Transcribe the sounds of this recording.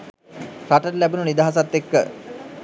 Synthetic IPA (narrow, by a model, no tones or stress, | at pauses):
ɾaʈəɾlæbununid̪aɦas̬at̪ːekːə̰